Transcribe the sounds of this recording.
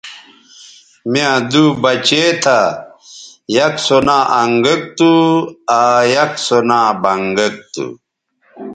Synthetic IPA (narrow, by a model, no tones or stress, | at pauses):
mjãd̪ubɐt͡ɕet̪ʰa | jɐksonaːʔɐŋɡɐk̚t̪uajɐksonaːbɐŋɡɐk̚t̪ṵ